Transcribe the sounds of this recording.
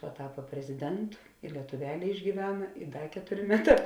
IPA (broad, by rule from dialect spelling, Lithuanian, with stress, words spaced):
pɐˈtɑːpɐ pʲrʲɛzʲɪˈdʲɛntʊ ɪ lʲiɛtʊˈʋʲæːlʲeː ɪʒʲɡʲiːˈʋʲæːnɐ ɪ ˈdɐ ˈkʲæːtʊrʲeː ˈmʲæːˌtɑː